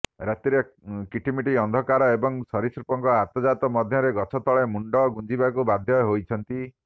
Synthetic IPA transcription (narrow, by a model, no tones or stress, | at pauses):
ɾat̪iɾekiʈʰimiʈiɔnd̪ʱɔkaɾɔebɔŋsɔɾisɾupɔŋkɔat̪ɔd͡ʒat̪ɔmɔd̪ʱjɔɾeɡɔt͡ʃʰɔt̪ɔɭemuɳɖɔɡund͡ʒibakubad̪ʱjɔɦojt͡ʃʰɔnt̪i